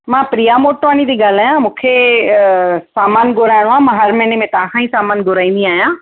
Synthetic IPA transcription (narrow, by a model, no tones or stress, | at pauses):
mãːpɾijamoːʈʋaːñid̪iːɡaːl̤aːjãmũːkʰe | saːmaːnɡʊɾaːɪɽ̃oãːmãːɦɐɾmɛ̃ːnemẽt̪ãːɦãːĩsaːmaːnɡʊɾaːĩːn̆d̪iaːɦjãː